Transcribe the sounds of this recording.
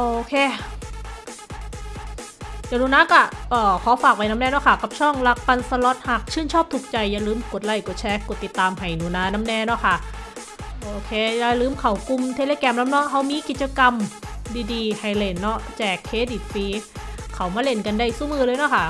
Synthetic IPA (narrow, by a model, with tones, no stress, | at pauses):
ʔoː˧kʰeː˧ | jaː˨˧˩nuː˧˦naː˦˧˥ka˧˩ʔɔː˨˩kʰɔː˨˦faː˨˩k̚pa˧jna˦˥mnɛː˧˥˩nɔ˦˥˩kʰa˧˥˩ka˨˩p̚t͡ɕʰɔ˥˩ŋla˦˧˥k̚fa˧nsa˧lɔ˦˥t̪̚haː˨˩k̚t͡ɕʰɯː˥˩˨nt͡ɕʰɔː˥˩p̚t̪ʰu˨˩k̚t͡ɕa˧jːaː˧˩lɯː˧˥˩mkt̪̚la˧˩jko˨˩t̪̚t͡ɕʰɛː˧˥ko˨˩t̪ːi˨˩t̪ːaː˧mɦa˨˩jnuː˧˩naː˧˥na˦˥mnɛː˧nɔ˦˥˩kʰa˧˥˩ | ʔoː˧˩kʰeː˧jaː˧˩lɯː˧˥˩mkʰa˧˩wku˧mt̪ʰeː˧leː˧kɛː˧mna˦˥mnɔ˦˥ha˧˥˩wmiː˧˨ki˨˩t̪̚t͡ɕa˧ka˧mdiː˧diː˧ha˨˩jle˧˩nːɔ˧˥˩t͡ɕɛː˨˩kʰːeː˧˥di˨˩t̪̚fiː˧˦˥kʰa˧˩wmaː˧˥le˧˩nka˧nda˧˩jsuː˧˥˩mɯː˧lɤː˧jnɔ˧˥˩kʰa˥˩